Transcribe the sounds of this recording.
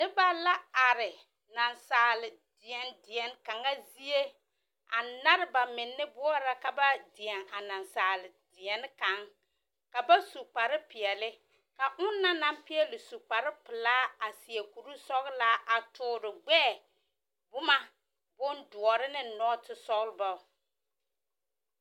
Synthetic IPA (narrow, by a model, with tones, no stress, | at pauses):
nɪ˦ba˦la˦a˨ɾɪ˨ | na˨nsaː˨lɪ˨ | dɪ˨ɛ˨n˦dɪ˨ɛ˨n˦ka˨ŋa˦zi˦e˦ | a̰˨na˦ɾɪ˦ba˨mɪ˨nːɪ˦bʊ˦ɔ˦ɾa˦ka˨ba˦dɪ˨ɛ˨ŋa˨na˨nsaː˨lɪ˨dɪ˨ɛ˨n˦ka˨˦ŋ | ka˨ba˦su˨k͡pa˨ɾɪ˦pɪ˨ɛ˨lɪ˦ | ka˨ʔʊ˦nːa˦na˦mpɪ˦ɛ˦lɪ˨su˨k͡pa˨ɾɪ˦pɪ˨laː˦a˨sɪ˨e˨ku˨ɾu˦sɔ˦ɣla˦ʔa˨tʊː˨ɾɪ˨ɡ͡bɛː˦˨ | bʊ˦ma˦ | bʊ˦ndʊ˨ɔ˨ɾɪ˦nɪ˦nɔ˦tɪ˦sɔ˦ɣlba˨˦